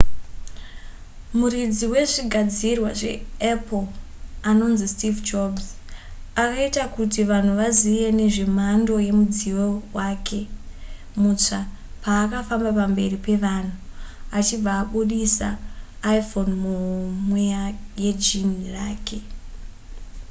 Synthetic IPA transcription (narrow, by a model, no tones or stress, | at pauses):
murid͡ziwe̞ʐiɡʱad͡zirwaʐḛep | ano̞nzistivd͡ʒobs | akaitakutiʋan̤uʋazijene̞ʐim̤ando̞je̞mud͡ziwowakʰe̞ | mut͡ʂa | paːkafambapambe̞ripe̞ʋan̤uat͡ʃib͡vaːɓuɗisaːifo̞nmuɦmweaje̞d͡ʒin̤iraːke̞